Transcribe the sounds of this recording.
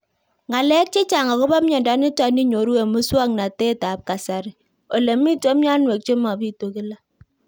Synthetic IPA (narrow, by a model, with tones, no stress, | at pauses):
ŋa˨lɛ˦k̚t͡ʃe˦t͡ʃa˨ŋa˨ko˦ba˦mɲɔ˨nda˨˦ni˦ta˨ni˦ɲo˨ɾu˦we˨mu˦swa˦ŋna˨te˦ta˨p̚ka˨sa˨ɾɪ˨ | o˨le˨mi˦tɔ˦mja˦nwe˨k̚t͡ʃe˦ma˨pi˦to˨ki˦la˦